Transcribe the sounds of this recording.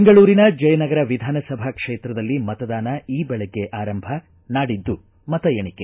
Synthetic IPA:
beŋɡɐɭuːɾinɐd͡ʒɐjɐnɐɡɐɾɐʋid̪ʱaːnɐsɐbʱɐkʂeːt̪ɾɐd̪ɐlːimɐt̪ɐd̪aːnɐiːbɛɭɛɡːe̞ʔaːɾɐmbʱɐ | naːɽid̪ːu | mɐt̪ɐjeɳike

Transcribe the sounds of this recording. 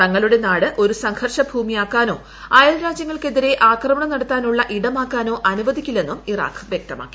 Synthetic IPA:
t̪ɐŋːɐɭuɽe̞naːɽɨʔo̞ɾusɐŋhʰɐrʂɐbʱuːmijaːkːaːno̞ː | ɐjɐlɾaːd͡ʑjɐŋːɐɭke̞ðiɾe̞ʔaːkrɐmɐɳɐmnɐɽɐt̪ːaːnuɭːɐʔiɽɐmaːkːaːno̞ːʔɐnuʋɐðikʲːulːe̞nːumira̰ːkʋjek̚t̪ɐma̰ːkːi̥

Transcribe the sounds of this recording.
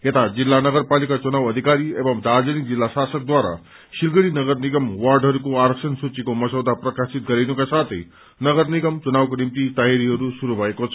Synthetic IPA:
jet̪ad͡zilːanəɡəɾpalikat͡ʃunawəd̪ʱikaɾiebʌmd̪aɾd͡zənik̚d͡zilːasasək̚d̪waɾa̰ | ʃilɡəɽinəɡəɾniɡəmʋaɾɖɦʌɾukoaɾəksənsut͡ʃikomʌsəwd̪ʱapɾɐkasit̪̚ɡəɾejnukasat̪ʰḛ | nʌɡəɾniɡəmt͡ʃunawkonimt̪it̪aɦjaɾiɦʌɾusuɾubʱʌekot͡sʰʌ̥

